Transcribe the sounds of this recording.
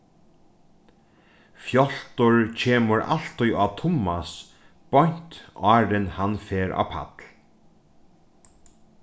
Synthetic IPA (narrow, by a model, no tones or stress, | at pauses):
fjɔl̥t̪ʊɹcʰeːmʊɾa̰l̥t̪ujʔaːt̪ʰʊmas | b̥ɔjɲ̥t̪ɑːɾɪnhanfɛːɾʔa̰ːpʰa̰t̪l